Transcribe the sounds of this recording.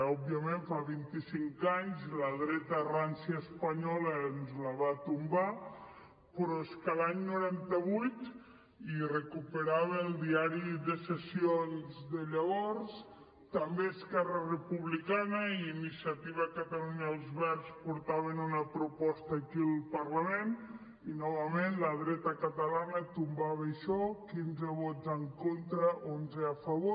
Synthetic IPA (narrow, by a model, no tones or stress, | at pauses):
ɔb̚iəmeɱfaβint̪isiŋkaɲzləð̞ɾɛt̪əransəːspaɲɔlənzləβat̪umba | pɾɔeskəlaɲnuɾant̪əβujt̪ | irekupeɾaβəlˠd̪iaɾiðəsesionzðəʎəβɔɾs | t̪ambeːskɛrərepuβlikanəiinisiat̪iβakat̪aluɲalˠzβɛɾspuɾt̪aβənunəpɾupɔst̪aːkilˠpaɾlamen | inɔβɐmenləð̞ɾɛt̪əkat̪alanət̪umbaβajʃɔkinzəβɔt̪zəŋkont̪ɾəʔonzeafaβo